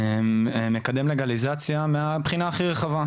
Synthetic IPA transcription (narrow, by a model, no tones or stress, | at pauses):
eemekad̪emleɡalizat͡sjameapχinaːχiʁeχava